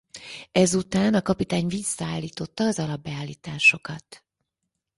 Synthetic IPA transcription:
ɛzut̪aːnɒkɒpit̪aːɲvisːɒaːlːiːt̪o̞t̪ːɒːzɒlɒbːɛaːlːiːt̪aːʃo̞kɒt̪

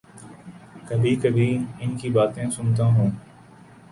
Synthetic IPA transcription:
kəbʱiːkəbʱiːɪnkiːbaːt̪ẽːsʊnt̪ãːɦũː

